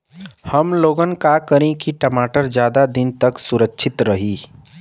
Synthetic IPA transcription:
həmloɡənkakəɾẽkiʈəmaʈəɾd͡ʒjad̪ad̪int̪əksuɾəkt͡ʃʰit̪ɾəɦi

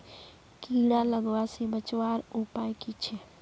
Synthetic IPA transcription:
kiːɽaləɡʋasibət͡ʃʋaːɾupaːjkit͡ʃʰe

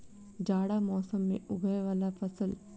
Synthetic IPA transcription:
d͡ʒaːɽaːmɔːsɐmːiʔubʱɐjɐʋɐlːapʰɐsɐl

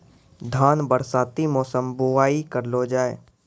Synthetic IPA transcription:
d̪ʱaːnbəɾsaːt̪imɔːsəmboʋaːikəɾlod͡ʒaːeː

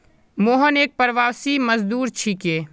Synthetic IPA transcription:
moːɦəneːk̚pəɾʋaːʋsiməzd̪uːɾt͡ʃʰikeː

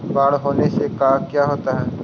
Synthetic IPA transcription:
baːɽɦoːnesekaːkjaːɦoːt̪aɦɛː

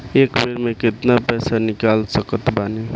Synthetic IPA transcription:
ekbeɾmeket̪napɛsanikalsəkət̪bane

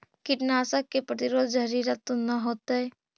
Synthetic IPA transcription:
kɪʈnaːsəkːepɾət̪ɪɾoːd̪d͡ʒɐɾiɾat̪ːonɐɦoːt̪aɦɛː

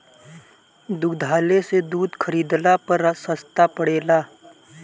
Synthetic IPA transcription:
d̪ʊɡd̪ʱaːlesed̪uːd̪kʰəɾiːd̪lapəɾsəst̪apəɽeːlaː

